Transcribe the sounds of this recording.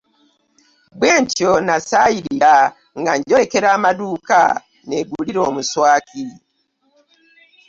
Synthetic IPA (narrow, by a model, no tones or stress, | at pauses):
bweːɲconasajiɾiɾa | ŋɡaɲɟo̞ɾe̞ke̞ɾaːmaduːka̰ | ne̞ɡuliɾo̞ːmuswaːki